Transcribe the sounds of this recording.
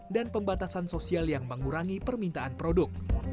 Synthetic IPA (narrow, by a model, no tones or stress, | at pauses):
danpəmbat̪asansosialjaŋməŋuɾaŋipərmint̪aanpɾodʊk̚